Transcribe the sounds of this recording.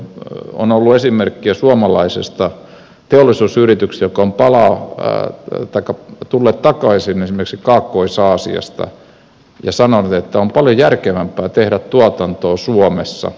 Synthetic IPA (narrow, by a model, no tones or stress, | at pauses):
o̰nolːuesimerkːiæsuomɑlɑisḛst̪ɑ | t̪eolːˑisuːsyrit̪yksjokːɑompɑlɑː | t̪ɑikːɑt̪ulːeːt̪t̪ɑkɑisinesimerksikɑːkːoisɑːsḭɑ̰st̪ɑ̰ | jɑ̰sɑnonut̪et̪ːæompɑljojærkeʋæmpˑæːt̪ehɾæt̪t̪uɑt̪ɑnt̪oːsuomesːɑ̰